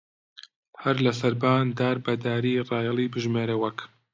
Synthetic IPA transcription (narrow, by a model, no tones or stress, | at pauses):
hɐɾlɐsɐɾbaːnd̪aːɾbɐd̪aːɾiːrɑːjɑlˠiːbɨʒmeːɾɐwɐk